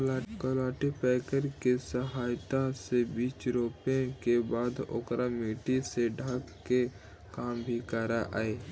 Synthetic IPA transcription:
kolaːʈipɛːkəɾkesəɦaːjt̪asebiːt͡ʃɾoːpẽkebaːd̪o̰kɾamiːʈiseɖʱaːkke | kaːmbʱikəɾaʔa̰ːeː

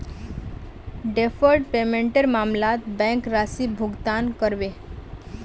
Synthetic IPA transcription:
ɖefʰəɾʈpemẽɳʈeɾmamlat̪bɛ̃ŋkɾasibʱʊɡt̪ankəɾʋe

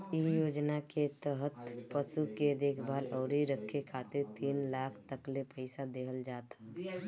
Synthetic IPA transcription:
ijoːd͡ʒnaket̪əɦət̪pəsuked̪eːkʰbaːlɔːɾiɾəkʰːekʰaːt̪ɪɾt̪iːnlaːkʰt̪əklepəɪsad̪eːɦəld͡ʒaːt̪a

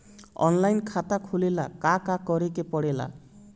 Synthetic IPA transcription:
ɔ̰nlajnkʰat̪akʰulelakakakɔɾekepɔɽela̰

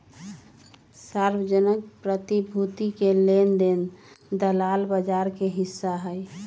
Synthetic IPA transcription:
saɾbəd͡ʒənəkpɾət̪ibʱut̪ikelend̪end̪əlalbəd͡ʒaɾkeɦisːaɦəj

